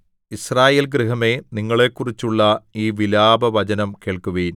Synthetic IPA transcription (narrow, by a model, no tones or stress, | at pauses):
israːjeːlɡriɦɐme̞niŋːɐɭe̞kːurit͡ɕːuɭːɐiːʋilaːbɐʋɐt͡ɕɐnɐmke̞ːɭkuʋɐjun